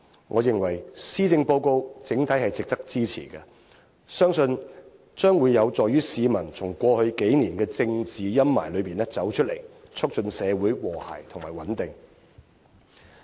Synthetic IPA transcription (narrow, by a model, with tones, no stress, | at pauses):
ŋʔɔː˨˧jɪ˨˩ŋwɐ˨˩jsiː˥t͡sɪ˧ŋpo˧wko˧wt͡sɪ˨˥ŋt̪ʰɐ˨˥jhɐ˨jt͡sɪ˨k̚t̪ɐ˥k̚t͡siː˥t͡sʰḭː˨˩ɡɛ˧ | sœː˥ŋsɵ˧n | t͡ʃœː˥ŋwuː˨˧jːɐ˨˧wt͡sɔː˨jyː˥siː˨˧mɐ˨˩nt͡sʰʊ˨˩ŋkʷɔː˧hɵ˧ɥke˨˥jniː˨˩nkɛː˧t͡sɪ˧ŋt͡siː˨jɐ˥mma̰ː˨˩jlɵ˨˧ɥpiː˨˩nɛ˥t͡sɐ˨˥wt͡ʃʰɵ˥t̚lḛ˨˩jt͡sʰʊ˥k̚t͡ʃɵ˧nsɛː˨˧wuː˨˥jwɔː˨˩ha̰ː˨˩jt̪ʰʊ˨˩ŋmaː˨˩jwɐ˨˥nt̪ɪ˨ŋ